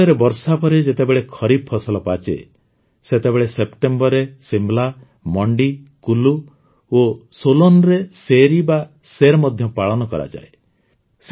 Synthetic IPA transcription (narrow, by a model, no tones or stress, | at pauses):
eɾebɔɾsapɔɾed͡ʒet̪ebeɭekʰɔɾib̚pʰɔsɔlɔpat͡ʃḛ | set̪ebeɭesepʈembɔɾesimbla | mɔɳɖikulu | osolonɔɾeseɾiba | seɾmɔd̪ʱjɔpaɭɔnɔkɔ̰ɾa̰d͡ʒa̰e | s